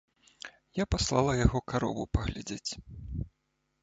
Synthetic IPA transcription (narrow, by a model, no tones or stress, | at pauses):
japaslˠalˠɐjaɣɔkaɾɔ̰vṵpɐɣlʲad͡zʲet͡sʲ